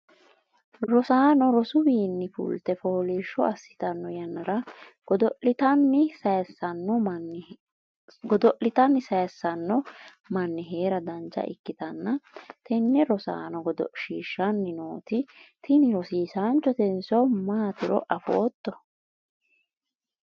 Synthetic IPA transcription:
ɾɔsaːnɔɾɔsʊbiːnːɪfʊ̰lt̪ɛfoːliːʃːɔɐsːɪ̥t̪ɐnːɔjɐnːɐɾɐ | ɔd̪ʔɪt̪ɐnːɪsɐjsːɐnːɔ | ɡɔd̪ɔʔɪt̪ɐnːɪsɐjɐsːɐnːɔ | mɐnːɪɦe̞ːɾɐd̪ɐnt͡ʃːɐ̰ʔɪ̰kːɪt̪ɐnːɐt̪ɛnːɛɾɔsa̰ːnɔɡɔd̪ɔ̰ʃiːʃːɐnːɪnoːt̪ɪt̪ɪnɪɾɔsiːsaːnt͡ʃːɔt̪ɛnsɔmaːt̪ɪɾɔ̰ʔɐfɔ̰ːt̪ːɔ

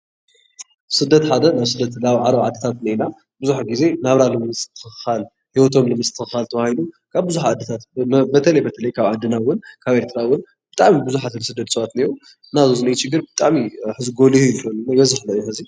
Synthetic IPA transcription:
sɨd̪ːɐt̪ħad̪ɐnaβsɨd̪ːɐt̪laβʕaɾɐwʕa̰d̪ːɐt̪ʰat̪nɐjna | bɨzuħaɡize̞naβɾalɨmɨt͡sʼt̪ʰːɨ̥xɨxxal | hiwot̪ʰo̞mlɨmɨt͡sʼt̪ʰɨxɨhalt̪ʰɐβahilu | kʰaβbɨzuħaʕad̪ːɐt̪ʰat̪bɐt̪ʰɐlɐjbɐt̪ʰɐlɐjkʰaβʕad̪ːɨnawʊnkʰaβʔeɾt̪ʰɨɾawʊn | b̥ɨt̪ʼaʕmibɨzuħazɨnsɨd̪ːɐt̪sɐβat̪niɾu | nazozɨnɐjt͡ʃɨɡːɨɾbɨt̪ʼaʕmiħɨzɡolihukɐnnɐbɐzɨħlɐjuħɨzi

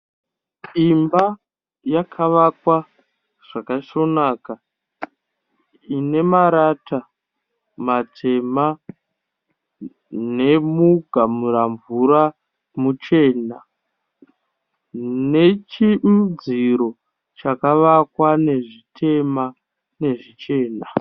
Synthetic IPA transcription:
imba | jakʰaʋakwa | ʐ̥akaʃo̞naːka | ine̞maɾatʰa | matʰe̞ma | ne̞muɡʱamuɾaɱvuɾa | mut͡ʃe̞ːna | ne̞t͡ʃid͡ziɾo̞ | t͡ʃakaʋakwane̞ʐitʰe̞ma | ne̞ʐit͡ʃe̞ːna

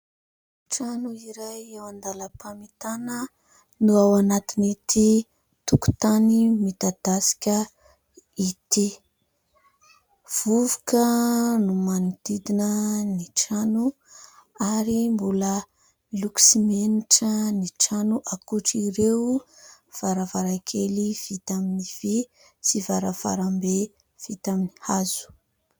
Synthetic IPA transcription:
ʈ͡ʂanuiɾajewand̪aləpʰamit̪anə | nuawanat̪init̪i | t̪uku̥t̪animit̪ad̪̥asi̥kʲə | it̪i | v̥uvu̥kənumanid̪̥id̪inəniʈ͡ʂanu | aɾimbulə | luksimeniʈ͡ʂəniʈ͡ʂanuʔakuʈ͡ʂiɾew | v̥aɾavaɾakʰeliv̥it̪aminiv̥i | sivaɾava̰ɾambe | v̥it̪aminihazu̥

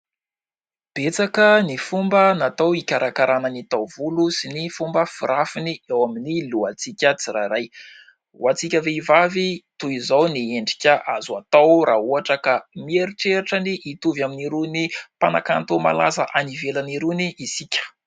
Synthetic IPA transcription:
b̥et͡sakənifumbənat̪awikʲaɾakaɾananit̪awvulusinifumbəfiɾafiniawaminiluat͡sikʲət͡siraɾaj | w̰at͡sikʲəveivavit̪uizawnieɳɖ͡ʐi̥kʲəʔazuat̪awɾʔaɦuaʈ͡ʂəkamieɾiʈ͡ʂeɾaʈ͡ʂəniʔit̪uvjaminiɾunipana̰kant̪oma̰la̰zaʔanivelaniɾuniʔisikʲə̥

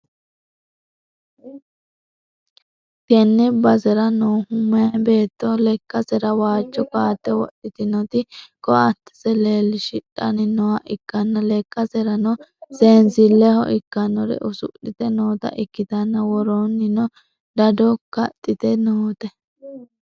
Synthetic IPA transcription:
t̪ɛnːɛbɐsɛɾɐnoːhʊmːɐɐbe̞ːt̪ːɔlɛkːɐsɛɾɐwaːt͡ʃːɔkaːt̪ːɛwɔ̰ɗɪt̪ɪnɔt̪ɪkɔɐt̪ːɪ̥sɛleːlːɪʃɪᶑːɐ̰nɪnɔwaʔɪkːɐnːɐlɛkːɐsɛɾɐnɔseːnzɪlːɛhɔʔɪkːɐnɔɾɛ̰ʔʊsʊʔɪt̪ɛnoːt̪ɐ̰ʔɪkːɪt̪ɐnːɐwɔɾonːɪnɔ | d̪ɐd̪ɔkɐt̪ʼːɪt̪ɛnoːt̪ɛ

